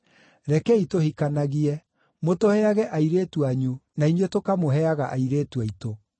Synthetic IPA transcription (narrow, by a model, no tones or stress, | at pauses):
ɾɛkɛitohikanaɣiɛ | motohɛaɣɛʔaiɾeːtuaɲunainwetokamoɦɛaɣaʔaiɾeːtwaito